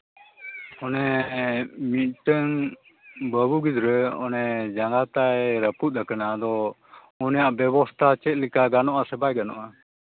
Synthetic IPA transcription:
ɔnɛ | mit̪̚ʈəŋ | bəbuɡid̪ɾəɔ̰nɛd͡ʒaŋɡat̪aɛɾəput̪̚ˀəkanad̪ɔ | ɔnjaʔbjɛbɔst̪ʰat͡ʃɛt̪̚likaɡanɔʔasɛbajɡanɔ̰ʔa

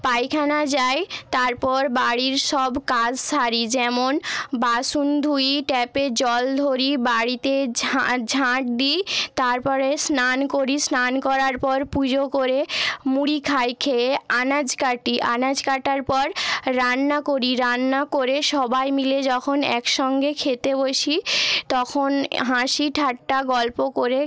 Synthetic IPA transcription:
pajkʰanad͡ʑajt̪aɾpɔɾbaɽiɾʃɔbkad͡ʑʃaɾid͡ʑɛmonbaʃund̪ʱujiʈɛped͡ʑɔld̪ʱoɾibaɽit̪ed͡ʑʱad͡ʑʱãʈ̚d̪it̪aɾpɔɾesnankoɾisnankɔɾaɾpɔɾpud͡ʑokoɾemuɽikʰajkʰeanad͡ʑkaʈiʔa̰nad͡ʑkaʈaɾpɔɾːanːakoɾiɾanːakoɾeʃɔbajmiled͡ʑɔkʰonɛ̰kʃɔŋɡekʰet̪eboʃit̪ɔkʰonɦãʃiʈʰaʈːaɡɔlpokoɾe

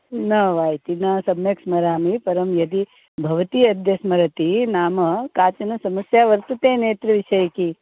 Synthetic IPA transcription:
nɐʋaːjt̪inɐsɐmjɐksmɐɾaːmipɐɾɐmjɐd̪i | bʱɐʋɐt̪iɐd̪jɐsmɐɾɐt̪inaːmɐkaːt͡ʃɐnɐsɐmɐsjaːʋɐɾt̪ut̪eːneːt̪ɾɐʋiʃɐjɐki

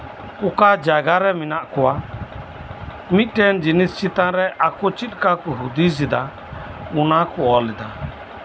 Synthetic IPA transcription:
ukad͡ʒaɡaɾɛminaʔkɔwa | mit̪̚ˀʈɛnd͡ʒinist͡ʃit̪ãɾɛʔakɔt͡ʃit̪̚ʼkakuɦud̪izid̪a | unakɔɔlɛd̪a

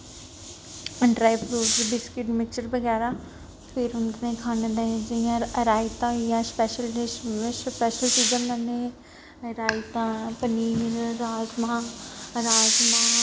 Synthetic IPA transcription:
ɖɾaːibɾuːpbɪskɪʈmɪk̚t͡ʃəɾbɐɣɛːɾa | pʰɪɾʊnd̪nẽkʰaːnẽd̪ẽd͡ʒijãɾaːit̪ãjaspɛːʃəlspɛːʃəlsiːd͡ʒəmə̃ne | ɾaːit̪ãpəniːɾɾaːzmãɾaːzma

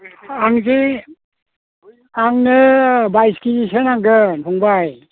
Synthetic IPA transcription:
aŋki | aŋnɯbajskid͡ʒisənaŋɡɯtuŋbaj

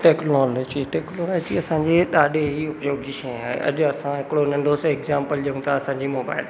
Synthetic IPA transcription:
ʈeːklɔːlod͡ʑiʈeːkloːlot͡ɕiɐsãɲd͡ʑeɗaːɗeɦiʊpjoːɡd͡ʑiʃɐ̃aːɦḛʔɐ̰ʄʊɐsãɦɪkɪɽonɐ̃ɳɖʱosekzaːmpəld͡ʑɐũt̪ʰaɐsãɲd͡ʑimoːba̰ːɪl

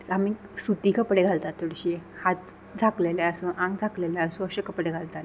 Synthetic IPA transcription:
amisut̪iːkəpɽeɡʱalt̪at̪ːəɽɕiehat̪ | d͡zʱakleleəsũʔãŋɡd͡zʱaklelɛəsũəɕekəpɽeɡʱalt̪ale

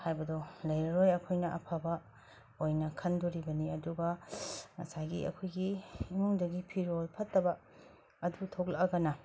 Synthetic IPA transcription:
hajbɐdolɐjɾɐɾojɐkʰojnɐʔɐ̰pʰabɐ | ojnɐkʰɐndoɾibɐniɐduɡɐŋɐ̰saɡḭɐ̰kʰojɡiːmuŋdɐɡipʰiɾolpʰɐtːɐbɐ | ɐdutʰok̚lɐkːɐkɐnɐ

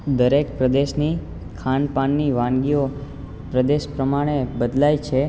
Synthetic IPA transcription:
d̪əɾekpɾəd̪eʃni | kʰanpanːiʋãŋɡio | pɾəd̪eʃpɾəmaɽ̃ebəd̪lajt͡ʃʰe

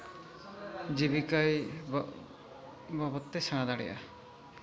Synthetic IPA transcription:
d͡ʒibikaj | babɔt̪ːesaɽ̃ad̪aɽɛ̰ʔa̰

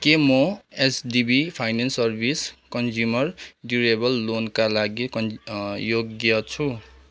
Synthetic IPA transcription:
kemoesdibipʰajnensʌrbʱiskʌnd͡zumʌrɖuɾebʌlːonkalaɡikʌnjoɡjʌt͡sʰu

